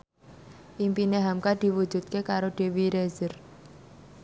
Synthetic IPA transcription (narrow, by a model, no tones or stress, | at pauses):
ʔimpineɦamkad̪̥i̤wu̥d͡ʒṳt̪̚kekaɾoɖ̪̥e̤wiɾezər